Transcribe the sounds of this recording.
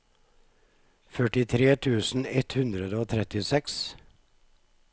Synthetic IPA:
fœʈɪt̪ʰɾeːt̪ʰʉːsn̩ɛt̪hʉnd̪ɾəd̪əoːt̪ʰɾɛt̪ɪsɛks

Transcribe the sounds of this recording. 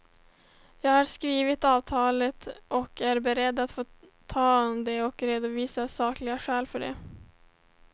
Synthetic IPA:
jɑːɡhɑɾskɾiːvɪt̪ɑːvt̪ʰɑːlət̪ʔɔkʰæɾbɛɾɛd̪ːat̪foː | t̪ʰɑːd̪ɛɔkɾeːd̪ʊviːsasɑːklɪɡaɧɛːlfœɖɛ̰

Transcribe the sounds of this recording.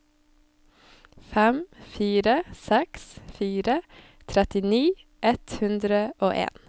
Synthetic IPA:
fɛmfiːɾəsɛksfiːɾə | t̪ʰɾɛt̪ɪniː | ʔɛt̪hʉnd̪ɾəʔoːʔḛːn

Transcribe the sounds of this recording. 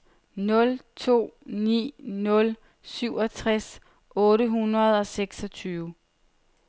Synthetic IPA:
nɔ̽lt͡sʰo̝̰ːnḭːnɔ̽l | syʊ̰ɒ̽t͡sʰʁas | ʔɔ̽ːɾəɦunɐð̞ˠɒ̽seɡ̥sɒ̽t͡sʰyːʊ

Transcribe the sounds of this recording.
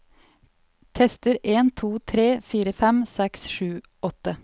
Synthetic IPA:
t̪ʰɛst̪əɾʔeːnt̪ʰuːt̪ʰɾeːfiːɾəfɛmsɛksʃʉː | ʔɔt̪ə

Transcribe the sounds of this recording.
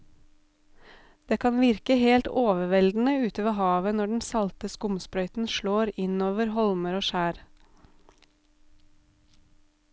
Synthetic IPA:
d̪̥eːkʰɑːnʋɪɾkəheːlt̪oːʋəʋɛld̪n̩əʉːt̪əʋehɑːʋənɔɖɛn̩sɑlt̪əskʊmspɾœʏt̪n̩ʃloːɾɪnoːʋəɾhɔlməɾoːʃæːɾ

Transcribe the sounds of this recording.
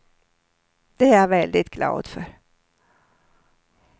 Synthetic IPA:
d̪̥ɛavɛld̪ɪt̪ɡ̥lɑ̰ːd̪fœɾ

